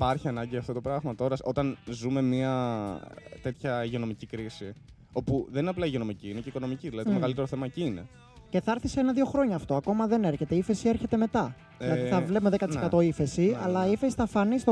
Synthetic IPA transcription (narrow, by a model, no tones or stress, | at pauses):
pɐɾçiɐnɐɲɟiɐft̪ot̪opɾɐɣmɐt̪o̞ɾɐso̞t̪ɐnzume̞miɐ | t̪e̞t̪çɐiʝono̞micikɾisi | o̞puðenineɐplɐiʝio̞no̞miciineceikono̞miciðilɐðit̪omeɣɐlit̪eoθemɐciine | ce̞θɐɾθiseenɐðio̞xɾo̞ɲɐːft̪o̞ɐko̞mɐðe̞ne̞ɾçe̞t̪eife̞sie̞ɾçe̞t̪e̞me̞t̪ɐ | ðlɐðiθɐvlepumeðekɐt̪sekɐt̪o̞ife̞siɐlɐifesi̥θɐfɐnist̪o